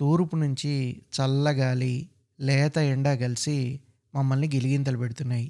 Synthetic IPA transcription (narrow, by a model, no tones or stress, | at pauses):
t̪uːɾpunuɲt͡ʃit͡ʃɐlːɐɡaːli | lɛːt̪ɐjɐɳɖaːɡɐlisi | mɐmːɐlniɡeliɡint̪ɐlɐbeɽut̪unːaːji